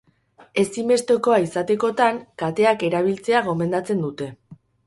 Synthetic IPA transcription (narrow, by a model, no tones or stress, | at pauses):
e̞sime̞st̪e̞ko̞aisat̪e̞ko̞t̪aŋkat̪e̞ake̞ɾaβ̞ilt͡se̞aɣ̞o̞me̞nd̪at͡se̞nd̪ut̪e̞